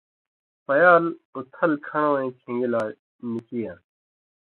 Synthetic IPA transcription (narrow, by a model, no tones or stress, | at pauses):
pɐjaːlut̪ʰɐlkʰɐɽ̃õːẽːkʰĩŋɡilaː | nikijãː